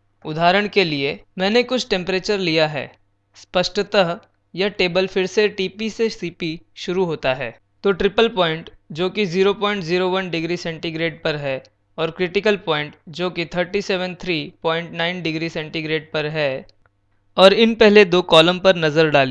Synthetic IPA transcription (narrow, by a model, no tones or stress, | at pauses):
ʊd̪ʱaːɾəɽ̃keliemɛ̃ːnekʊt͡ʃʰʈɛ̃mpɾeːt͡ʃəɾlijaɦɛ̰ː | spəʃʈət̪əɦ | jaʈeːbəlfʰɪɾseʈiːpisesiːpiʃʊɾuɦoːt̪aɦɛː | t̪oːʈɾɪpəlpɔ̃ːɪ̃ɳʈd͡ʒoːkiziːɾopɔːɪ̃ɳʈziːɾoʋɐnɖɪɡɾisɛ̃ɳʈiɡɾeːɖ̚pɐɾɦɛ | ɔːɾkɾɪʈɪkəlpɔːɪ̃ɳʈd͡ʒoːkit̪ʰəɾʈiseːʋə̃nt̪ʰɾiːpɔːɪ̃ɳʈnaːɪnɖɪɡɾisɛ̃ɳʈiɡɾeːɖ̚pɐɾɦɛ | ɔːɾɪnpɛɦled̪oːkɔːlə̃mpɐɾnɐzəɾɖaːli